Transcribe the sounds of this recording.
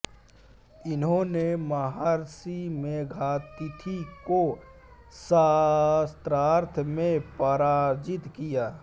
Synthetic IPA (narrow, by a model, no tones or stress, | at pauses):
ɪnɦõnemɐɦaːɾsimẽɡʱaːt̪ɪt̪ʰiko | sast̪ɾaːɾt̪ʰmẽpəɾaːd͡ʒɪt̪kijaː